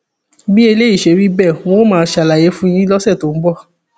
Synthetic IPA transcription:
bi˦e˧le˦i˦˨ʃe˨˦ɾi˦bɛ˦˨w̃õ˦mãː˨˧˦ʃa˨la˨je˨˦fũ˦j̃ĩ˦lɔ˦sɛ˦˨to˨˦m̩˦bɔ˦˨

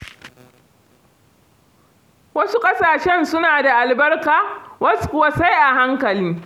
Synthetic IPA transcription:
wɐ˦su˦kʼɐ˦saː˨ʃɛ˦nsʊ˦naː˨da˨ʔa˨lbɐ˦rkaː˨wɐ˦skʊ˨wa˦sa˦jʔa˨ɦa˦ŋkɐ˨liː˦

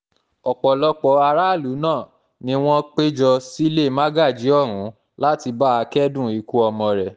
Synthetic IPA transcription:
ɔ˨k͡pɔ˨lɔ˧k͡pɔ˧a˧ɾa˦˨lu˨˦nãː˦˨ | nĩ˧w̃ɔ̃˦k͡pe˦d͡ʒɔ˧si˦le˦˨ma˦ɡa˦˨d͡ʒi˨˦ɔ˦˨ɾ̃ũ˨˦ | la˦ti˧ba˦a˧kɛ˦dũ˦˨i˧ku˦ɔ˧mɔ̃˧ɾɛ˨

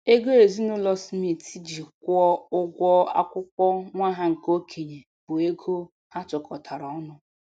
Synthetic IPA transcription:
e˦ɡo˦e˨zi˦nʊ˦lɔ˦smi˨ti˦d͡ʒi˨kʷɔ˦ʊ˦ɡʷɔ˦a̰˦kʷʊ˦kʷɔ˦ŋʷa˦ɦa˦ŋ̩˨ko˦kʰi˨ɲe˨ | bʊ˨e˦ɡʰo˦ | ha˦t͡ʃɔ˨kɔ˨tʰa˨ɾɔ˨ɔ˦nʊ˦

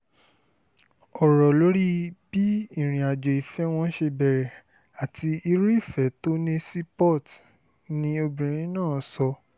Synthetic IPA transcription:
ɔ˨ɾɔ˨lo˨˦ɾi˦b̥i˦i˦˨ɾ̃ĩ˨a˨d͡ʒo˨i˨fɛ˦w̃ɔ̃˦ʃe˧bɛ˨ɾɛ˨ | a˨ti˧i˧ɾi˦˨fɛ˨˦to˦nẽ˦si˦pɔ˦˨t | nĩ˧o˧bĩ˨ɾ̃ĩ˨˦nãː˦˨sɔ˧

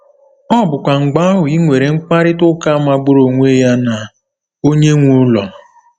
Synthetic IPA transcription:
ɔ˦bʊ˨kʷa˨ŋ͡m̩˨ɡ͡ba˦a˦ɦʊ˨i˦ŋʷe˨ɾe˨ŋ͡m̩˦k͡pa˦ɾɪ˦tʊ˦ka˦ma˨ɡ͡bʊ˦ɾo˨ŋʷe˦ja˦na˨ | o˦ɲe˦ŋʷu˦ʊ˦lɔ˨

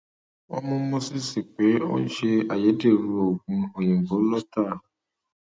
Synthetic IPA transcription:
ɔ̰˦mũ˦mõ˦si˦si˨k͡pe˨˦o̰˦ʃe˧a˨je˨˦de˦˨ɾu˨˧o˨ɡũ˨˦o˨jẽ˨ɡo˨˦lɔ˦ta˦˨

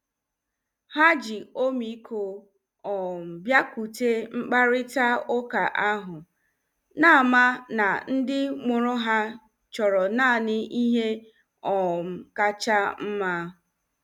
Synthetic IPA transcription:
ha˦d͡ʒi˨o˦mi˨˦kʰo˨ | ɔ˨m̩˨bja˦ku˨te˦ŋ͡m̩˦k͡pa˦ɾɪ˦ta˦o˦ka˨ʔa˦ɦʊ˨ | na˦a˨ma˦na˨n̩˦dɪ˦ŋ͡mʊ˨ɾʊ˦ɦa˦ | t͡ʃɔ˨ɾɔ˨na˦˨nɪ˦i˦ɦe˦ | ɔ˨m̩˨ka˦t͡ʃa˦m̩˦ma˦

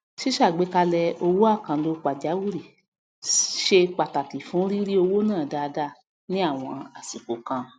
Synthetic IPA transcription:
ʃi˦ʃa˦˨ɡ͡be˨˦ka˧lɛ˧o˧wo˦a˦˨kã˨˦lo˧k͡pa˨d͡ʒa˨˦wu˦˨ɾi˨ | ʃe˧k͡pa˨ta˨ti˨fũ˨˦ɾi˦ɾi˦o˧wo˦nãː˦˨da˧˨˧da˦˨ | nĩ˦a˦˨w̃ɔ̃˧a˨sĩ˨ko˨kã˧

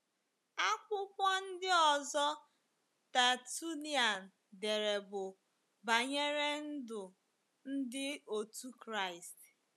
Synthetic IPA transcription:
a˦kʷʊ˦kʷɔ˦n̩˦dɪ˦ɔ˨zɔ˦ | ta˨tu˦ni˨a˨n̩˨ | de˨ɾe˨bʊ˨ | ba˨ɲe˦ɾe˦n̩˦dʊ˨ | n̩˦dɪ˦o˨tu˦kɾa˦˨ɪ˨st

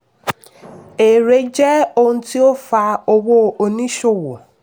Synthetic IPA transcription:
e˨ɾe˨˦d͡ʒɛ˦o˧hũ˧ti˦o˦fa˧o˧wo˦o˧nĩ˦ʃo˦˨wo˨

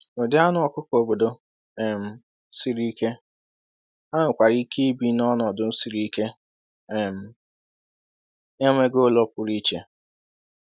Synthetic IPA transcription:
o˨dɪ˦a˦nʊ˨˦ɔ˨kʊ˦ko˨bo˨do˨ | ɛ˨m̩˨˦ | si˨ɾi˦ke˦ | a˦nʊ˨kʷa˨ɾi˦ki˦bi˦nɔ˦nɔ˨dʊ˦n̩˦si˨ɾi˦ke˦˨ | m̩˨ | ɲe˦ŋʷe˦ɡo˦lɔ˦pʊ˨ɾi˦t͡ʃe˨

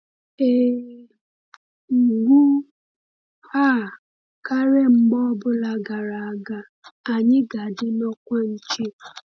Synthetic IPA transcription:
e˦˨ | ŋ̩˨ɡʷu˦ | ha˦˨ | ka˦ɾe˦ŋ͡m̩˦ɡ͡bɔ˦bʊ˦la˦ɡa˨ɾa˨a˦˨ɡa˨ | a˨ɲɪ˦ɡa˨dɪ˦nɔ˦kʷa˦n̩˦t͡ʃe˦

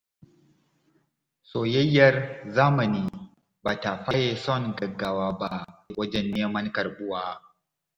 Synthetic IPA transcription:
soː˨jɐ˦jːɐ˨rzaː˦mɐ˨niː˦ | baː˨ta˨ɸɐ˦jeː˨sɔ˦ŋɡɐ˨ɡːaː˦waː˦ba˦ʔwɐ˦d͡ʒɛ˦nːeː˦mɐ˦ŋkɐ˨rɓʊ˦waː˦

